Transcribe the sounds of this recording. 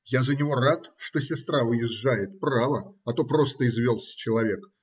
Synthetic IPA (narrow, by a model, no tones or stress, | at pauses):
jazənʲɪvo̞rat̪ʂt̪o̞sʲɪst̪ɾavɨjɪʐːajɪt̪̚pravəɐt̪o̞pɾo̞st̪əɪzvʲolˠsʲə̥t͡ɕɪlˠɐvʲe̞k